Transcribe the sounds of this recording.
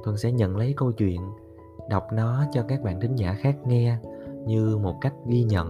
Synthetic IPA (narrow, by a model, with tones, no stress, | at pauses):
t̪ʰwə˨˩nsɛ̰˧˥ɲə̰˧˨nlə˨˦jkə˧wt͡ɕwḭ˧˨ən | ɗa˨˩wk͡p̚nɔ˨˦t͡ɕɔ˧kaː˦˥k̚ɓa̰ː˧˨nt̪ʰï˨˦ŋ̟zaː˧˩xaː˦˥k̚ŋɛ˧ɲɨ˧mo˨˩t̚ka˦˥jk̟̚ɣi˧ɲə̰˧˨n